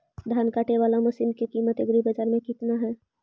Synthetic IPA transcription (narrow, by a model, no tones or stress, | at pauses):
d̪ʱaːnkaːʈeʋaːlamʊsinkekiːmət̪eɡɾibəd͡ʒaːɾmẽkɪt̪naɦɛː